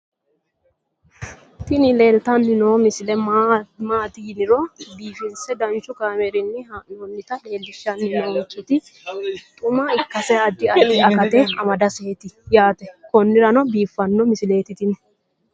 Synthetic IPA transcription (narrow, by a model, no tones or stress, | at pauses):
t̪ɪnɪleːlt̪ɐnːɪnɔmɪsɪlɛmaːt̪ɪjɪnɪɾɔbiːfɪnsɛd̪ɐnt͡ʃːʊkaːmɛɾɪnːɪnɔnːɪt̪ɐleːlːɪʃːɐnːɪnɔɔnt͡ʃʼːɪt̪ɪ | t̪ʼʊmaɪkːɐsɛɐd̪ːɪɐd̪ɐkɐt̪ɛɐmɐd̪ɐseːt̪ɪjaːt̪ɛkɔnːɪɾɐnɔbiːfːɐnːɔmɪsɪle̞ːt̪ɪt̪ɪnɛ